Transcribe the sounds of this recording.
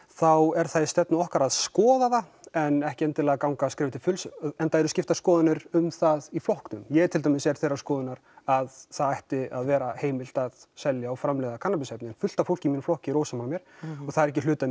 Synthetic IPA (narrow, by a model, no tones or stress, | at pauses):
θawɛɾ̥θajst̪ɛt̪nʏɔhkaɾaðskɔːðaðaɛnɛhcɪɛnt̪ɪlɛːɣakawŋkaskɾɪːvɪt̪ʰɪfʏlsɛnt̪aːjɾʏscɪft̪askɔːðʏnɪɾʏmθaðiflɔhknʏmjɛɣɛt̪ʰɪlt̪amɪsɛɾ̥θejɾaskɔːðʏnaɾ̥aðθaðajht̪ɪaðvɛːɾaheːjmɪl̥t̪aðsɛljaːwfɾamlɛɣðakʰanːapɪsɛpnɪɛnfʏl̥t̪afowl̥cɪminflɔhcɪiɾoːwsamalmjɛɾ̥ɔθaðɛɾɛhcɪlʏːt̪a